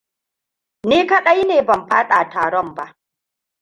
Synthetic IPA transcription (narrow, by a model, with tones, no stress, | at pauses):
neː˦ka˦ɗa˦jneː˨bɐ˨mɸaː˦ɗa˨taː˨ɽɔ˦mba˦ʔ